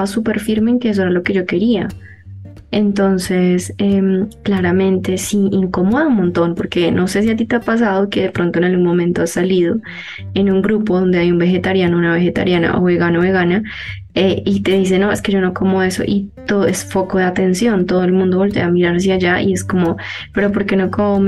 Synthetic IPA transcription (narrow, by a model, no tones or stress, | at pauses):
βasupe̞ɾfiɾme̞eːŋke̞es̬o̞eɾalo̞ke̞ʝo̞ke̞ɾia̰ | e̞nt̪o̞nse̞semklaɾamẽ̞nt̪e̞siiŋko̞moðaunmõnt̪o̞npo̞ɾke̞nʔo̞se̞s̬iat̪̬it̪eapas̬að̞oke̞ðepɾo̞nt̪oenalɡunmomẽnt̪o̞asaliðo̞ | e̞nuŋɡɾupo̞ðo̞nd̪e̞ajumbe̞xe̞t̪aɾjanounaβe̞xe̞t̪a̰ɾjana̰ʔoβe̞ɣanoβe̞ɣana | eit̪e̞ðis̬e̞no̞e̞ske̞ʝo̞no̞ko̞moðe̞so̞̰ʔit̪oðoesfo̞koðeat̪e̞nsjo̞nt̪oðoe̞lmũnd̪oβo̞lt̪eamiɾaɾs̬eaʝaʔḭe̞sko̞mo̞ | pe̞ɾo̞po̞ɾke̞no̞kom